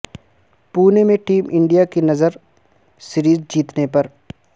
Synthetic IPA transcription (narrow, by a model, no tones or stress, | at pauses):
puːnemẽʈiːmʔɪ̃ɳɖijakinɐzəɾ | sɪɾiːzd͡ʒiːt̪nepɐɾ